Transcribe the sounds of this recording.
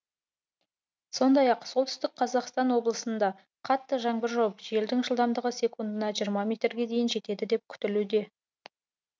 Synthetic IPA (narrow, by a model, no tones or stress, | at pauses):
so̞nd̪ɑjɑqso̞lˠt̪ʏ̥st̪ɪk̚qʰɑzɑqst̪ɑnwo̞blˠəsənd̪ɑ | qʰɑt̪ːəʒɑŋbɪɾʒo̞pʒe̞ld̪ɪŋʒəlˠd̪ɑmd̪əʁəsʲe̞kund̪ənɑʒijəɾmɑmʲe̞t̪ɾɡʲe̞d̪e̞jɪnʒe̞t̪e̞d̪ɪd̪e̞p̚kʲʰʏ̥t̪ɪlud̪e̞